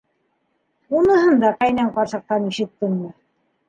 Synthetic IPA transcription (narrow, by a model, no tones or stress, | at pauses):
unɤ̆ɦɤnd̪ɑqæjnæɴqɑɾsɤ̆q̚t̪ɑniʃɘ̆t̪̚ːɘ̆ŋmɘ